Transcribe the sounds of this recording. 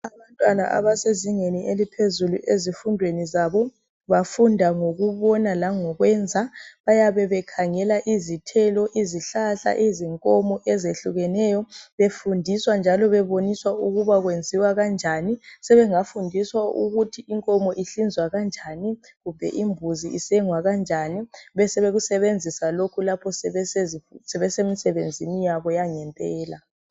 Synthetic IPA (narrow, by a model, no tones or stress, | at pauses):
aβantʼwana̰ʔa̰βaseziŋenielipʰezuluʔezifundʱwenizaːβɔ | βafundʱaŋoɣuβɔnalaŋɔɣwɛnd͡zʱaβajaβɛβɛkʰaŋɛlaʔizitʰɛlɔʔiziɬaɬa̰ʔiziŋkʼɔmɔʔɛzeɬuɣɛnɛːjɔβefundʱiswand͡ʒʱalɔβɛβoniswauɣuβaɣwend͡zʱiwaɣand͡ʒʱanisɛβɛŋafundʱiswauɣutʰiiŋkʼɔmɔʔiɬind͡zʱwaɣand͡ʒʱani | ɣumbʱɛ̰ʔimbʱuziisɛŋwaɣand͡ʒʱaniβɛsɛβeɣusɛβend͡zʱisalokʰulapʰɔsɛɛsɛβɛsemisɛβend͡zʱinijaβɔjaŋɛmpʼɛːla